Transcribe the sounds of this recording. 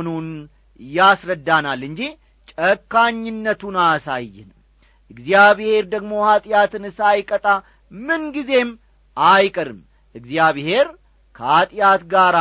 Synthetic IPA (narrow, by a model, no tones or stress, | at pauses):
nun | jasɾəd̪ːanalɨnd͡ʒi | t͡ʃʼəkːaɲːɪnːət̪ʰunasajːɪ̰nm | ʔɨɡzjaβhe̞ɾd̪əɡmo̞hat̪ʼjat̪ʰɨnɨsajkʼət̪ʼa | mɨnɡize̞m | ajkʼɨɾɨ̰m | ʔɨɡzijaβhe̞ɾ | kʰəhat̪ʼjat̪ɡaɾ